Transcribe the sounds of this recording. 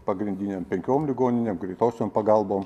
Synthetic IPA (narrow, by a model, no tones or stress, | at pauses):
pɐɡɾʲɪnʲd̪ʲɪnʲeːmpʲɛŋʲkʲoːmlʲɪɡoːnʲɪnʲeːmɡɾʲɛɪt̪oːsʲoːmpɐɡɐlˠboːm